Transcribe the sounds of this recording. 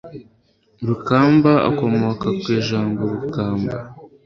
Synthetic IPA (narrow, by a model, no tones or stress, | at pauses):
ɾukaːmbaa̰ko̞mo̞kakweːʒaːmboɾukaːmba̰